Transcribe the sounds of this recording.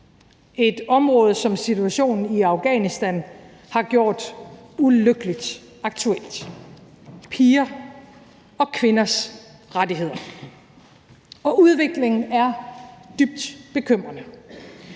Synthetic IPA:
e̝d̥ɒ̽mʁɔ̽ːð̞̩ˠsɒ̽msit͡sʰuæɕo̝̰ːn̩iɑ̈ʊɡ̥ɛ̰nisd̥æn | hɑ̈ɡ̥jo̝ɐ̰d̥uløɡ̥əlid̥ | ɑ̈ɡ̥̚t͡sʰuel̰d̥ | pʰiːɐ | ɒ̽kʰʋe̝nɐs | ʁadiɦe̝ð̰ˠɐ | ɒ̽ʔuð̞ˠʋe̝ɡ̥le̝ŋn̩æɐd̥yb̥̚d̥b̥e̝kʰøm̰ʁɐnə

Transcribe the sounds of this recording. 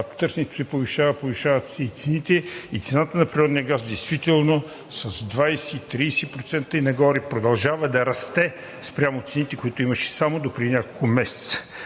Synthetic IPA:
k̪o̥t̪ɤɾsɛnʲɛt̪o̥sɛpoviʃavəpoviʃavət̪sɛit̪sɛnit̪ɛit̪sɛnat̪ənɐpɾiɾɔd̪nijəɡazd̪ɛjst̪vit̪ɛlˠno | sɐzd̪vajsɛit̪ɾiːsɛpɾot̪sɛnt̪əinɐɡɔɾipɾod̪ɐlˠʒavɐd̪ɐɾɐst̪ɛ | spɾʲjamot̪sɛnit̪ɛkoit̪oimɐʃɛ̥samod̪opɾiinʲakolˠkomɛsɛ̥t̪sə̥

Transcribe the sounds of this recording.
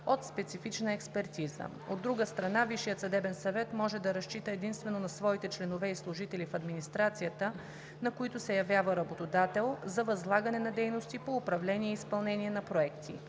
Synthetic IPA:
ot̪spɛt̪sifit͡ʃnəɛkspɛɾt̪izə̰ | od̪ːɾuɡəst̪ɾɐnaviʃijət̪sɐd̪ɛbɛnsɐvɛt̪mɔʒɛd̪ɐɾɐʃt͡ʃit̪əɛd̪inst̪vɛnonɐsvɔit̪ɛt͡ʃlɛnovɛislˠʊʒit̪ɛlifɐd̪minist̪ɾat̪sijət̪ə | nɐkoit̪ʊsɛjɐvjavəɾɐbot̪od̪at̪ɛlˠzɐvɐzlˠaɡɐnɛnɐd̪ɛjnost̪ipoːpɾɐvlɛniɛispɐlˠnɛniɛnɐpɾoɛkt̪ʰḭ

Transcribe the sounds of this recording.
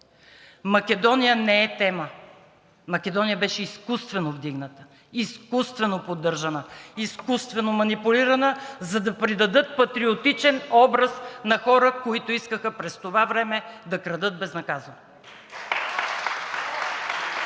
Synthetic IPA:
mɐkɛd̪ɔnijənɛɛt̪ɛmə | mɐkɛd̪ɔnijəbɛʃɛiskust̪vɛnovd̪iɡnət̪ə̥ | iskust̪vɛnopod̪ːɤɾʒɐnəiskust̪vɛnomɐnipuliɾɐnəzɐd̪ɐpɾid̪ɐd̪ɤt̪̚pɐt̪ɾiot̪it͡ʃɛnɔbɾɐsnɐxɔɾəkoit̪ʊiskəxəpɾɛst̪ovavɾɛmɛd̪ɐkɾɐd̪ɤt̪̚bɛznɐkazɐno

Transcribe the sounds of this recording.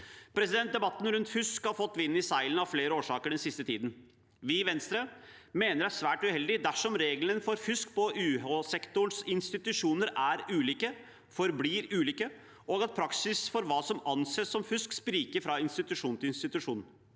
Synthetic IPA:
pʰɾɛsɪd̪ɛnt̪̚d̪ɛbɑt̪ːn̩ɾʉnt̪fʏskhɑɾfɔt̪ːʋɪnːɪsæɪlənɑʋfleːɾəoːʂɑːkəɖɛnsɪst̪ət̪ʰiːd̪n̩ | ʋɪʋɛnst̪ɾəmeːnəɾæʂʋæːʈʉhɛld̪ɪd̪æʂɔmɾeːɡlənfɔɾfʏskpʰɔʉːhoːsɛkt̪ʊɳsɪnst̪ɪt̪ʉʂuːnəɾæɾʉːliːkə | fɔɾbliːɾʉːliːkə | ʔɔɡɑt̪̚pʰɾɑksɪsfɔɾʋɑːsɔmɑnseːssɔmfʏskspɾiːkəɾfɾɑɪnst̪ɪt̪ʉʂuːnt̪ɪɪnst̪ɪt̪ʉʂuːnn

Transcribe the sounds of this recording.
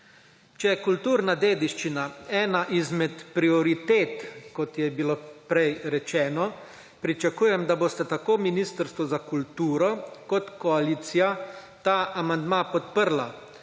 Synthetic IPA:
t͡ʃɛjɛkult̪uːɾnad̪eːd̪iʃt͡ʃinaɛːnaʔizmɛt̪pɾiɔɾit̪eːt̪kɔt̪jɛbiloːpɾɛjɾɛt͡ʃɛːnɔ | pɾit͡ʃakuːjɛmd̪aboːst̪at̪akoːminist̪əɾst̪ʋɔzakult̪uːɾɔkɔt̪kɔaliːt̪sija | t̪aːʔamand̪mapɔt̪pəɾla

